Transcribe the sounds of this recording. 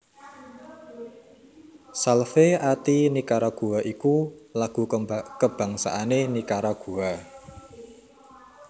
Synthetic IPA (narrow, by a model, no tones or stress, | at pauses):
salfeat̪inikaɾaɡ̥uwaʔikulaɡ̥ṳkəb̥a̤ŋsa̰ʔanenikaɾaɡ̥uwa